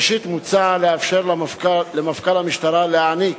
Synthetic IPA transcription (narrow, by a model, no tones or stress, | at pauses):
ʃit̪mut͡saʕaleafʃeɾlakalemafkalhamiʃt̪aɾaleʕani